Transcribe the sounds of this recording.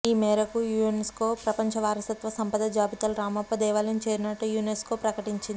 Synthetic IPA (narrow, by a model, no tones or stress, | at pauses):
iːmɛːɾɐkujuenesko̞ːpɾɐpɐɲt͡ʃɐʋaːɾɐsɐt̪ʋɐsɐmpɐd̪ɐd͡ʒaːbit̪ɐlɾaːmɐpːɐd̪ɛːʋaːlɐnt͡ʃeːɾinɐʈːujuːneskoːpɾɐkɐʈiɲt͡ʃind̪i